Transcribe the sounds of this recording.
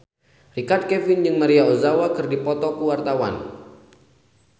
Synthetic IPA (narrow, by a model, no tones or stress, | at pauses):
rikart̪̚kɛvinjɨŋmaɾiaozawakɨrdipɔt̪ɔkəwart̪awa̰n